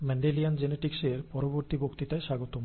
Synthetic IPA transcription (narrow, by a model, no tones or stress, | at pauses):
mɛɳɖeliand͡ʑeneʈikseɾpɔɾoboɾt̪ibokt̪it̪aeʃaɡot̪om